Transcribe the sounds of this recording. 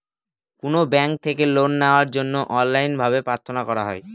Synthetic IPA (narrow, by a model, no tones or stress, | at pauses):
konobɛŋk̚t̪ʰekelonːaoaɾd͡ʑonːoʔɔnlajnbʱaβepɾaɾt̪ʰonakɔɾaɦɔ̰e